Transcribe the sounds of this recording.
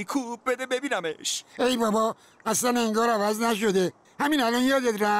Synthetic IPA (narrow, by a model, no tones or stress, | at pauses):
kʰubed̪ebebinameʃejbæbɒː | æslæneŋɡɒːɾævæznæʃ̬o̞d̪e | hæminælɒnjɒːd̪et̪ɾæ